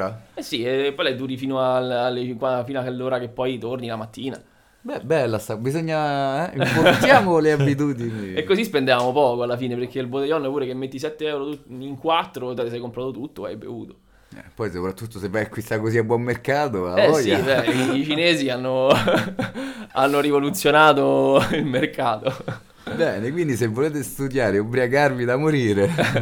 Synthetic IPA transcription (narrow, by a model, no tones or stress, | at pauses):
aɛsːiepːɔjlɛjd̪uːɾifiːnoalːlːeikwafiːnoalːoːɾakepːɔjt̪ornilamat̪ːiːna̰ | bɛbɛlːasabizoɲːaɛimpot̪jaːmoleabːit̪̬uːd̪iniekːozispend̪evaːmopɔːkoalːafiːneperkeilbod̪ejɔnːoɛpuːɾekemːet̪ːis̬ɛt̪ːeɛwɾot̪uiŋkwat̪ːɾot̪ɛt̪sɛjkompɾaːt̪ot̪ut̪ːoa̰jbḛvṵːt̪o̥ | ɛ̰pːɔjsopɾat̪ːut̪ːosevːajakwist̪akːoziabːwɔmːerkaːt̪oaɛɔssjaibɛit͡ʃineːzianːo | anːoɾivolut̪sːjonaːt̪oilmerkaːt̪o | bɛːnekwind̪isevːoleːt̪est̪ud̪jaːɾeobːɾiaɡarvid̪amoɾiːɾe